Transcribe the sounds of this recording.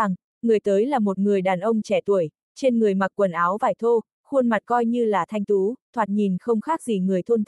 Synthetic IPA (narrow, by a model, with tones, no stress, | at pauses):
a˨˩ŋ | ŋɨ˨˩əjt̪əː˨˦jlaː˨˩mo˨˩t̚ŋɨ˨˩əjɗaː˨˩nʔə˧wŋ͡mt͡ɕɛ˧˩t̪u˧˩əj | t͡ɕe˧nŋɨ˨˩əjma˨˩k̚kːwə˨˩nʔaː˨˦wvaː˧˩jt̪ʰo˧ | xu˧ənma˨˩t̚kɔ˧jɲɨ˧laː˨˩t̪ʰa˧jŋ̟t̪u˨˦t̪ʰwaː˨˩t̚ɲi˨˩nxə˧wŋ͡mxaː˦˥k̚zi˧˨˩ŋɨ˨˩əjt̪ʰnt̪